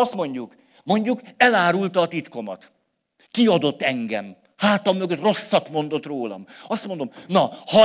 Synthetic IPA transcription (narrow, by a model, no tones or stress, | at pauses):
st̪mo̞ɲɟuk | mo̞ɲɟukɛlaːɾult̪ɒːt̪it̪ko̞mɒ̰t̪ | kiɒd̪o̞t̪ːɛŋɡɛ̰m | haːt̪ɒmːøɡøt̪ro̞sːɒt̪mo̞nd̪o̞t̪roːlɒ̰mɒst̪mond̪omnɒhɒ